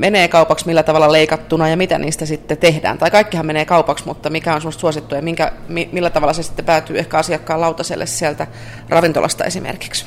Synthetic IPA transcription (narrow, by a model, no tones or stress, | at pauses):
mʔeneːkɑupɑksmilːæt̪ɑʋɑlːɑleikɑt̪ːunɑjɑmit̪æ̰niːst̪æsit̪ːet̪ehdæ̰ːnt̪ɑikɑikːihɑmmeneːkɑupɑksmut̪ːɑmikæonsemːost̪suosit̪ːujɑmiŋkæ̰mimilːæt̪ɑʋɑlːˑɑsesi̥t̪ːepæːt̪yːehkæɑsiɑkːɑːlɑut̪ɑsḛlːḛssiælt̪æ | rɑʋint̪olʔɑ̰st̪ɑ̰esimḛrki̥ks